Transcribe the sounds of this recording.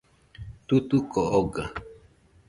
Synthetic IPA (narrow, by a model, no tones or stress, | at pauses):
t̪ut̪ukooɡa